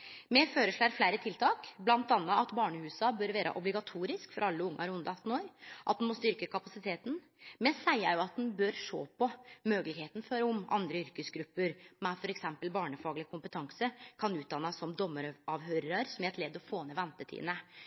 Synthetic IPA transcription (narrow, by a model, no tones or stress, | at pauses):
mɛføːɾəʂɭæɾflæɪɾət̪ʰɪlt̪ʰɑːkblɑnt̪ɑnːəɑt̪bɑːɳəhʉːsɑbœɾʋæːɾə̰ʔɔblɪɡɑt̪ʰuːɾɪskfɔɾʔɑlːəʊŋːʔɑɾʊnd̪ɑt̪ːn̩oːɾʔɑt̪̚d̪ɛnmɔst̪ʏɾkəkʰɑpɑsɪt̪ʰeːt̪n̩ | mɛsæɪəɾjʊɑt̪̚d̪ɛnbœɾʂo̰ːpɔmøːɡəlɪɡheːt̪n̩fɔɾʊmɑ̰nd̪ɾəʏɾkəsɡɾʉpːəɾmɛfɔɾɛksɛmpəlbɑːɳəfɑːɡlɪkʰʊmpət̪ʰɑŋsəkʰɑnʉːt̪̚d̪ɑnːɑsːɔmd̪ɔmːəɾɑːʋɦøːɾɾəɾsɔmæɾɛt̪lɛːd̪ɔfoːnɛʋɛnt̪ət̪ʰḭd̪nə